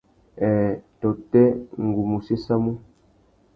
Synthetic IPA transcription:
ɛ˨tɔ˨tɛ˦ŋ˨ɡu˨mu˨se˦sa˦mu˦

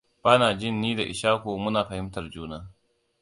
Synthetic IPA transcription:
b̥aː˦naː˨d͡ʒɪ˦nːiː˦da˨ʔɪ̰˨ʃaː˦kʷoː˨mʊ˦naː˨ɸɐ˨hɪ˦mtɐ˨rd͡ʒuː˦naː˦

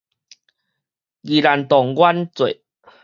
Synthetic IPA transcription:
ɡi˨la˨nt̪ɔ˨˩ŋɡwa˦nt͡swe˨

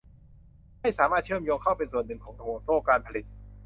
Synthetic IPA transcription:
ha˥˩jsaː˩˦maː˥˩t̪̚t͡ɕʰɯ˥˩əmjoː˧ŋkʰa˥˩wpe˧nsu˨˩ənːɯ˨˩ŋkʰɔː˩˦ŋka˧ŋoː˨˩t̪̚soː˥˩kaː˧npʰa˧li˨˩t̪̚

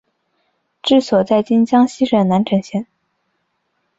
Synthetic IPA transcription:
ʈ͡ʂɻ̩˥˩swɔ˨˩t͡sa˥˩ɪt͡ɕi˥nt͡ɕjɑ˥ŋɕi˥ʂə˨˩nna˧˥nʈ͡ʂʰə˧˥ŋɕjɛ˥˩˦n

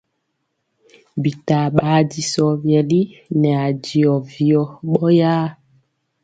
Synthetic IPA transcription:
bi˨ta˨ɓaː˨˦di˨sɔ˨vjɛ˨li˦nɛ˨a˨d͡ʒi˨ɔ˨vi˨ɔ˨ɓɔ˦jaː˦

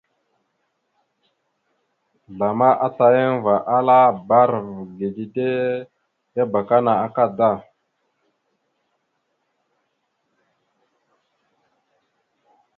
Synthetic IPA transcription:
ɮa˨ma˦ʔa˦ta˨je˦n˦va˨ʔa˦la˦ba˦ɾvɡe˨di˨de˦ | ja˦ba˨ka˦na˨a˨ka˦da˦˨

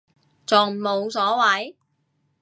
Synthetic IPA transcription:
t͡sɔː˨˩ŋm̩˨˩mo˨˧wsɔː˨˥wɐ˨˥j

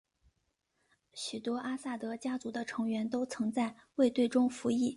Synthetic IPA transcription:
ɕy˨˩t̪wɔ˥ʔa˥sa˥˩t̪ɤ˧˥t͡ɕja˥t͡su˧˥d̪ə˧ʈ͡ʂʰɤ˧˥ŋɥɛ˧˥nt̪o˥ʊt͡sʰɤ˧˥ŋt͡sa˥˧ɪwe˥˧ɪt̪we˥˩ɪʈ͡ʂʊ˥ŋfu˧˥i˥˩

